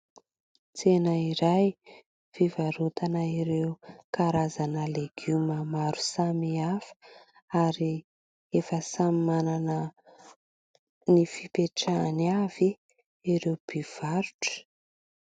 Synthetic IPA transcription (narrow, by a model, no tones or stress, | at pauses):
t͡senəiɾaj | v̥ivaɾut̪anaiɾeukaɾazanəleɡ̥umamaɾu̥samiafə̥ | aɾi | efəsammananə | nifipeʈ͡ʂanav̥i | iɾewb̥iv̥aɾu̥ʈ͡ʂə̥